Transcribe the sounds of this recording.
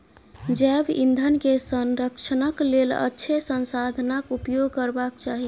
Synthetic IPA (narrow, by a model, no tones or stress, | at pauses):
d͡ʒɛbḭnd̪ʱənkesənɾəkt͡ʃʰənəklelə̰tːʃʰesənsad̪ʱnakupjoɡkəɾbakt͡ʃaɦi